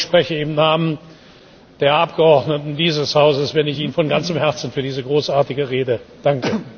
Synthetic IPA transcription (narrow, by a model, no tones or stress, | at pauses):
ʃpʁ̥ɛçəɪmnaːmən | d̥eːɐʔap̚ɡ̥əɔɐdnətn̩diːzəshaʊzəsv̥ɛnɪçiːnfɔnɡant͡səmhɛɐt͡sn̩fyːɐdiːzəɡʁoːsʔaːɐtɪɡəʁeːdəd̥aŋkə